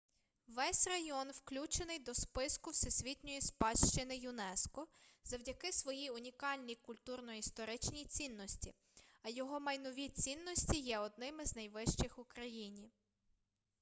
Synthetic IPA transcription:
ʋɛsʲrɐjɔnwklʲut͡ʃenɪjd̪ɔspɪskʊwsɛsʲʋʲitʲnʲɔjispɑʃt͡ʃɪnɪjʊnɛskɔzɐwdʲɐkɪsʋɔjiʊnʲikɑlʲnʲijkʊlʲt̪urnɔist̪ɔɾɪt͡ʃnʲijt͡sʲinːɔsʲtʲi | ɐjɔɦɔmɐjnɔʋʲit͡sʲinːɔsʲtʲijɛɔd̪̚nɪmɪznɐjʋɪʃt͡ʃɪxʊkɾɐjinʲi

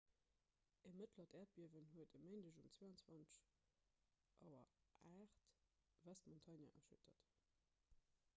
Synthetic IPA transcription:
ʔəmətʰlɐtæːɐt̚b̥iəvənɦuətəməɪndəʑumt͡sveːɑnt͡sw̥vɑnt͡səʃ | ʔɑʊɐ̰ʔaːχtvæstmontʰɑnjɐ̰ʔɐʃɵtʰɐt

